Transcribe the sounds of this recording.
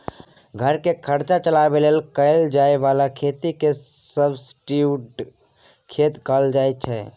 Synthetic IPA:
ɡʱəɾkekʰəɾt͡ʃat͡ʃəlabeleːlkəɪld͡ʒaːeʋalakʰeːt̪ikesəbsʈiuʈ | kʰeːt̪kəld͡ʒaːɛt͡ʃʰɛ

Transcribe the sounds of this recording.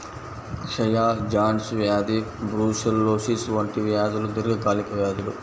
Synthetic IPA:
kʂɐjaːd͡ʒaːnsʋjaːd̪ibɾuːsɐlːoːsisʋɐɳʈiʋjaːd̪ulud̪iɾɡɐkaːlikɐʋjaːd̪ilu

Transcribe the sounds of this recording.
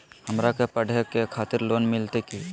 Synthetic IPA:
həmɾakepəɽ̤ʱekekʰaːt̪ɪɾloːnmɪlt̪eki

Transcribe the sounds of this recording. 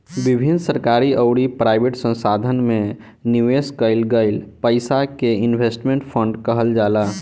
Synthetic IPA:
bɪbʱinsəɾkaːɾiəʊɽipɾaɪbeʈsə̃nsaːd̪ʱənmẽ | niʋeːskəɪlɡəɪlpəɪsakeɪnʋʱesʈmẽɳʈpʰə̃ɳɖkəɦəld͡ʒaːlaː

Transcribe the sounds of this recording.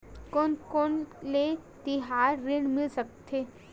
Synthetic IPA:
konkonlet̪ɪɦaːɾːɪɳmɪlsək̚t̪ʰeː

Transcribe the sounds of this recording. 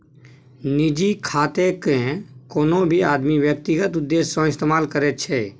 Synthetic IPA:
nɪd͡ʒikʰaːt̪ekɛ̃koːnõbʱiaːd̪miʋjək̚t̪ɪɡət̪ʊd̪ːeːsːõɪst̪eːmaːlkəɾɛːt͡ʃʰɛː

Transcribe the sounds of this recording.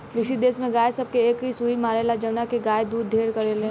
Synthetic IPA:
ʋɪʃid̪eːsmẽɡaːjsɐb̚keeːkɦisuimaːɾeːlad͡ʒɐʋnakeɡaːjd̪uːd̪ːʱeːɾkɐɾelẽ

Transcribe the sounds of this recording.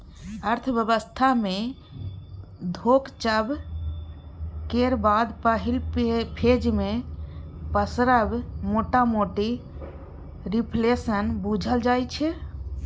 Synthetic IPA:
əɾt̪ʰbjəbəst̪ʰame | d̪ʱokt͡ʃəb | keɾbad̪pəɦilpʰed͡ʒme | pəsɾəbmoʈamoʈi | ɾipʰlesənbud͡ʒʱəld͡ʒajt͡ʃʰɛ

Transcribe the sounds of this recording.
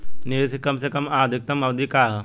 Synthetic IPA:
neːsekɐmsekɐmaːd̪ʱik̚t̪ɐmɐʋd̪ikaː

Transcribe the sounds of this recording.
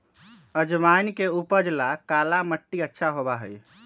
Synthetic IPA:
əd͡ʒmankeupəd͡ʒlakalaməʈːiətːʃʰaɦobaɦəj

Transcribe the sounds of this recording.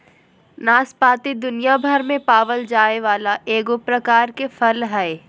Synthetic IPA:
naːspaːt̪id̪ʊnijabʱəɾmẽpaːʋəld͡ʒaːeʋaːlaʔeːɡopɾɐkaːɾkefʰɐlɦɛː

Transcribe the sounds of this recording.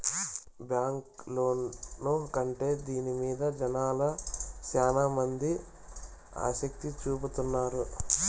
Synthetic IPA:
bjaːŋklo̞ːnːoːkɐɳʈe̞ːd̪iːnimiːd̪ɐd͡ʒɐnaːlɐʃaːnamɐnd̪i | a̰ːʃɐk̚t̪it͡ʃuːput̪unːaːɾu

